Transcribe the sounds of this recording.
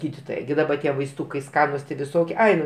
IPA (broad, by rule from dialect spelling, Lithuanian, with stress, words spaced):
ˈɡʲiːdʲɪtoːjɛ ˈɡʲɪ dɐˈbɐ ˈtʲiɛ ʋɐɪsˈtuːkɐɪ ˈskɑːnʊs tʲɪ ʋʲɪˈsoːkʲiɛ ˈɐɪ nʊ